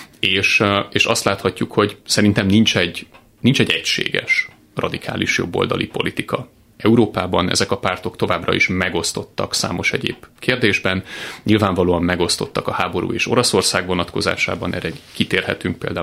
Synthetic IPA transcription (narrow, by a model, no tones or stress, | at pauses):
eːʃeːʃɒst̪laːt̪hɒcːukho̞ɟsɛɾint̪ɛmnint͡ʃɛɟ | nint͡ʃɛɟɛcʃḛːɡɛ̰ʃ | rɒd̪ikʰa̰ːliʃjo̞̰bːo̞̰ld̪ɒlʔipo̞lit̪ikɒ | ɛuɾoːpaːbɒnɛ̰zɛkɒpaːrt̪o̞kt̪o̞vaːbrɒ̰iʃmɛɡo̞st̪o̞t̪ːɒksa̰ːmo̞ʃɛɟḛːb̥keːrd̪eːʒbɛnɲilvaːɱvɒloːɒmːɛɡo̞st̪o̞t̪ːɒkɒhaːbo̞ɾṵːeːʃo̞ɾɒso̞rsaːɡʋo̞nɒt̪ko̞za̰ːʃa̰ːbɒnʔɛ̰ːrɛkit̪eːrhɛt̪yŋk̚peːld̪aː